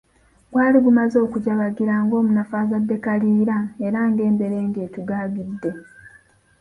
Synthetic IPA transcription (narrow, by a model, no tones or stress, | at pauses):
bwaːliβumazo̞ːkuɟaβaɡiɾaŋɡo̞ːmunafaːzadːe̞kaliːɾaeɾaːŋɡe̞ːmbe̞ɾe̞ːŋɡe̞ːtuɡaːɡidːe̞